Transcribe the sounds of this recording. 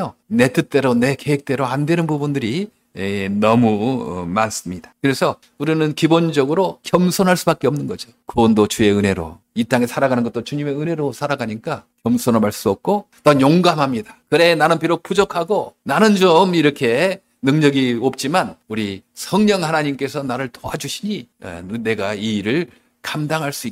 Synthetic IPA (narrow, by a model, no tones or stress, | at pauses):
one̞t͈ɯt͈e̞ɾone̞ke̞ɦek̚t͈e̞ɾoandwe̞nɯnbubundɯɾi | enʌmumans͈ɯmɲid̥ḁkɯɾe̞sʰʌ | uɾinɯnkibond͡ʑʌɡɯɾokjʌmsʰonɦaɭs͈ubak͈eʌmnɯnɡʌd͡ʑo | kɯbʌndot͡ɕue̞ɯne̞ɾo̰ | it͈aŋesʰaɾaɡanɯnɡʌt͈ot͡ɕuɲime̞ɯne̞ɾosʰaɾaɡaɲik͈akjʌmsʰonaɭbaɭs͈uʌp̚k͈o | t͈ʌjoŋɡamɦamɲidakɯɾe̞nanɯnpiɾok̚pʰud͡ʑʌkʰaɡonanɯnd͡ʑomiɾʌkʰe̞ | nɯŋɲʌɡiop̚t͡ɕ͈imanuɾisʰʌŋɲʌŋhanaɲimk͈e̞sʰʌnaɾɯɭtoad͡ʑuɕʰiɲiʌ̰ne̞ɡaiːɾɯɭ | kamdaŋɦaɭs͈ui